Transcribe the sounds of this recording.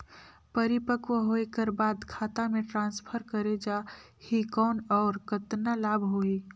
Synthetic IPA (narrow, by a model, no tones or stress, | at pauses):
pəɾɪpəkwəɦoːekəɾbaːd̪kʰaːt̪amẽʈɾãːnspʰəɾkəɾed͡ʒaː | hikɔːnɔːɾkət̪nalaːbʱɦoːiː